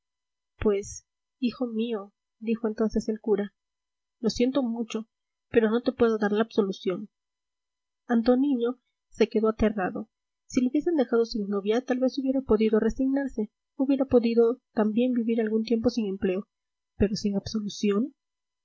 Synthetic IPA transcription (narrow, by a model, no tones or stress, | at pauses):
pwe̞s | ixo̞mio̞ | d̪ixo̞e̞nt̪o̞nse̞se̞lkuɾa | lo̞sje̞nt̪o̞mut͡ʃo̞ | pe̞ɾo̞no̞t̪e̞pwe̞ðo̞ðaɾlaːbso̞lusjo̞n | ant̪o̞niɲo̞ | se̞ke̞ðo̞at̪e̞raðo̞ | silouβje̞se̞nd̪e̞xað̞o̞siŋnoβjat̪alβe̞suβje̞ɾapo̞ðiðo̞re̞siɣnaɾse̞ | uβje̞ɾapo̞ðiðo̞t̪ambje̞mbiβiɾalɣunt̪̬je̞mpo̞siŋe̞mple̞o | pe̞ɾo̞siŋabso̞lusjo̞n